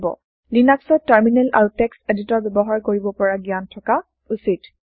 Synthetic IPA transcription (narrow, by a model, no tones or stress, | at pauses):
bɔ̰ | linaksɔtːaɹminɛlʔa̰ɹutɛkseditɔɹbɛbɔɦaɹkoɹibɔpɔɹaɡiantʰɔka | usit